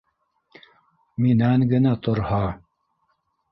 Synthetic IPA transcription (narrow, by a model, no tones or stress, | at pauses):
minæŋɡɘ̆næt̪ŏɾhɑ